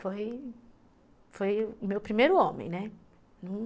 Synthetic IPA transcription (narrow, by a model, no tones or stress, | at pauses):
foj | fojʊmewpɾimejɾʊõmḛ̃j̃nɛ | nɐ̃